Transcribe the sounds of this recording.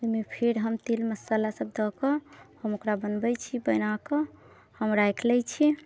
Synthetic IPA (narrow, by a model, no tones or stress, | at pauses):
ojmepʰeɾɦəmt̪ilməsəlasəb̚d̪ɔkəhəmokɾabənbəjt͡ʃʰibəjnakə | həmɾajkʰlɛt͡ʃʰi